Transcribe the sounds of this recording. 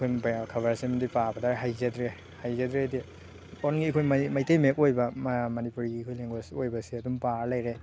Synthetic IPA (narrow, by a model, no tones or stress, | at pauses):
kʰojpkʰɐβɐɾsimɐndipabɐdaɾɦajzɐdɾe | hajzɐdɾedi | onɡiːkʰojmmɐjtejmekojbɐmmɐnipuɾiɡiːkʰojleŋɡasojbɐsiɐdumpaɾlɐjɾe